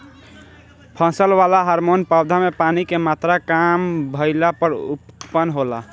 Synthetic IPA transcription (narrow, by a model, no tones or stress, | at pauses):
pʰə̃səlʋalaɦəɾmonpabd̪ʱamepanikemat̪ɾakambʱəɪlapəɾṵpːənɦola̰